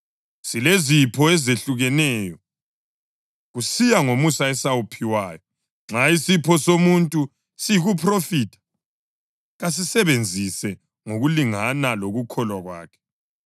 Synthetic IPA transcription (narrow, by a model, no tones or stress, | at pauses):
silezipʰɔɛzeɬuɣɛnɛːjɔ | ɣusijaŋomusaɛsawupʰiwaːjɔ | ŋ͡ǁaisipʰɔsomuntʼu | sijiɣupʰrofiːtʰḁ | ɣas̬isɛβend͡zʱisɛ | ŋoɣuliŋanaloɣukʰɔlwaɣwa̰ːkʰɛ̥